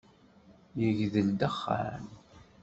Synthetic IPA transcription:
jəʝðəld̪əχːa̰ɾn

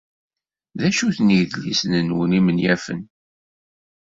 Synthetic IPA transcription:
ðæʃuθniʝðlisənənwənimənjæfə̰n

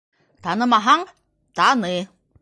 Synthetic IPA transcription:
t̪anə̃maɦaŋ | t̪ane

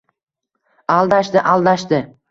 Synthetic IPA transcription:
alˠd̪aʃd̪ɪʔalˠd̪aʃd̪ɪ

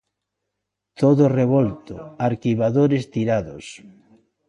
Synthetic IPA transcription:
t̪oðʊreβolt̪oaɾkiβaðoɾest̪iɾaðʊs

